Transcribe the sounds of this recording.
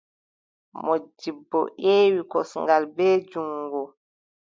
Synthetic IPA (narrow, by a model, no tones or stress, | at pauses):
mɔd͡ʒibːɔ̰ʔeːwikɔsŋɡalbɛːd͡ʒuŋɡu